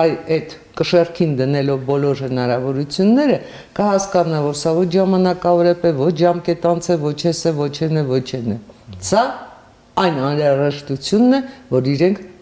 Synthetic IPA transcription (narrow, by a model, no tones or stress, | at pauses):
ɑjɛt̪kəʃɛrkʰind̪ənɛlɔvbɔlɔɾhənɑɾɑvɔɾut͡sʰjunːɛɾə | kəhɑskɑnɑvɔɾsɑvɔt͡ʃʰʒɑmɑnɑkɑvɔɾɛpʰɛvɔt͡ʃʰʒɑmkɛt̪ɑnt͡sʰɛvɔt͡ʃʰɛsɛvɔt͡ʃʰɛnɛvɔt͡ʃʰɛnɛsɑ | ɑjnɑnɾɑʒɛʃt̪ut͡sʰjunːɛvɔɾiɾɛŋkʰ